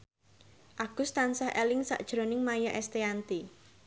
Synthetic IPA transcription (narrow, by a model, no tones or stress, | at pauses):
ʔaɡ̥ʊst̪ansahʔɛlɪŋsa̰ʔd̥ʒ̥ɾonɪŋmajaʔɛst̪eant̪i